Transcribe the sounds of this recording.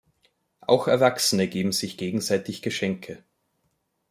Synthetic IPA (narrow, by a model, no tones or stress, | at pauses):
ʔa̰ʊxɛɐvaksənəɡeːbm̩z̥ɪçɡ̥eːɡŋ̩zaɪtɪçɡ̥əʃɛŋkʰə